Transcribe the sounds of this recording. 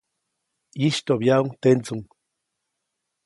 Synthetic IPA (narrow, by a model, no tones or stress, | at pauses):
jiʃt̪objauŋt̪ent͡suŋ